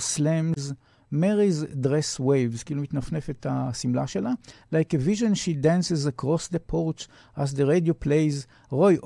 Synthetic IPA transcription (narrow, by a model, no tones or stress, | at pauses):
slɛ̃mz | mɛɾizdɾɛsweɪvzkilmit̪nafnɛfet̪ʰasimlaʃelalajkəviʒə̃nʃidæ̃nsɛzakʁɔsd̪əpʰɔɾt͡ʃ | azðəɾediopʰleɪz | ʁojʔ